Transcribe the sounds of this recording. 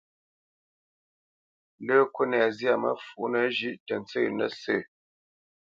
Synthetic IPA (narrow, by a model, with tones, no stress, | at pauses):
ləː˦kwo˦nɛ˨zja˦˨mə̰˦fu˨ʔnə˨ʒi˦ʔtə˨n˨˦t͡sə˦˨nə̰˦sə˦˨